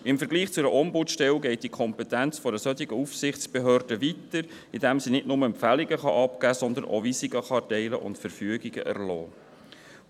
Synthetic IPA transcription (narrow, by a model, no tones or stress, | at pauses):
ɪmfəɾɡliːχt͡sʊɛɾəʔɔmbutʃtɛlɡɛɪt̚d̥ikʰɔmpɛtænt͡sfɔdəsœt̪iɡəufsɪχt͡sb̥eɦøːrdəvitəɾ | ɪdɛmsinɪtnʊməɛmpfæliɡəχɑ̰ʔɑpkæːsɔnd̪ənʔo̰visiɡəχɑtɛɪləʔʊ̰ntfəɾfyəɡiɡə̰ʔæ̰ɾlɔː